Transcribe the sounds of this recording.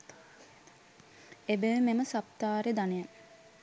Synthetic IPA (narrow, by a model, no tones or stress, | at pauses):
ebeʋmeməsapt̪aːɾed̪aneja